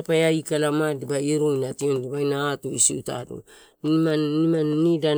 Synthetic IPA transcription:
apajaikalamadibaiɾujnationdibajnaːtuisiuta̰dṵ | maimannida

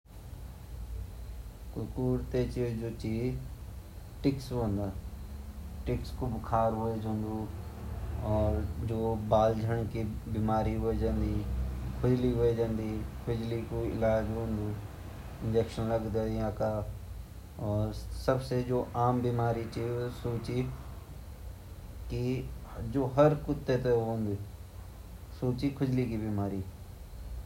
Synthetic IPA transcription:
kʊkuːɾt̪et͡ʃid͡ʑoːt͡ɕiː | ʈɪksnd̪a | ʈɪkskʊbkʰaːɾɦoed͡ʒõːnd̪u | ɔːɾd͡ʑoːbaːld͡ʒʱəɽ̃kʰibiːmaːɾiɦoed͡ʒə̃ːnd̪iːkʰʊd͡ʒliɦoed͡ʒə̃nd̪iːkʰʊd͡ʒlikuɪ̰laːd͡ʒɦõːnd̪uː | ɪ̃nd͡ʒeːkʃənlɐɡd̪aãːka | ɔːɾsɐbsed͡ʒoːʔaːmbimaːɾit͡ʃisoːt͡ʃi | kid͡ʒoːɦɐɾkʊt̪ːet̪eɦõːnd̪iː | soːt͡ʃikʰʊd͡ʒlikibiːmaːɾiː

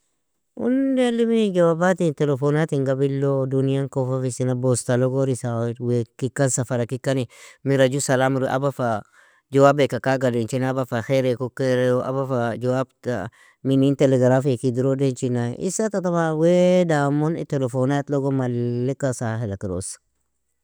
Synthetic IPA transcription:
ṵndeliminid͡ʒawabat̪intelefonat̪iŋɡabilːoduniaŋkofafisinabost̪aloɡoɾisawekikːansafaɾakikanimiɾad͡ʒusalamuɾiʔa̰bafa | d͡ʒawabekakaɡadent͡ʃinabafaxeɾekukeɾeʔa̰bafad͡ʒawabta̰ | minint̪eleɡɾafiakid̪iɾodent͡ʃinaʔḭsat̪atamawedamonḭt̪elefonat̪loɡomalːikasahelakiɾo̰s

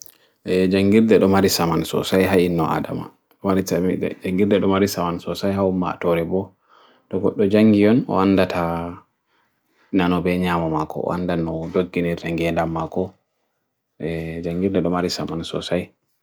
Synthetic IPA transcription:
ʔɛd͡ʒaŋɡiɾdɛɗɔmaɾisamansɔ̰sajɦainːɔa̰da̰ma̰ | ɗɔmaɾid͡ʒaŋɡiɾdɛɗɔmaɾisamansɔsajɦaumːa̰tɔɾɛbɔ | tɔɡɔɗːɔd͡ʒaŋɡijɔnɔ̰andatʰa | nanɔbɛɲaːmamakɔ̰a̰ndanɔdoɡːinɛɾtaŋɡɛndamːakɔ | ʔɛd͡ʒaŋɡiɾdɛɗɔmaɾisamansɔsaj

